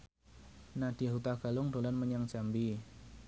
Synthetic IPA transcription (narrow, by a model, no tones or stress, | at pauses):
nad̥iaɦut̪aɡ̥alʊŋdolanməɲaŋd͡ʒambi